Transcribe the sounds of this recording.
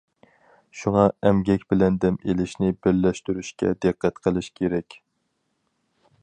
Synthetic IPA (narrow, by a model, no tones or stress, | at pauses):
ʃuŋɑɛmɡʲɛkʲbɪlɛnd̪ɛmelɪʃnɪbɪɾlɛʃt̪yɾyʃkʲɛ̰d̪ɨqʰːæt̪qʰəlˠɨʃkʲʰeɾɛkʲ